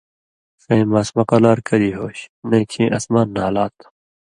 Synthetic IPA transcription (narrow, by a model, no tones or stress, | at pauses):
sɐ̃jmaːsmɐqɐlaːɾkɐɾiːɦoːɕnɐ̃kʰĩːʔɐsmaːnːaːlaːt̪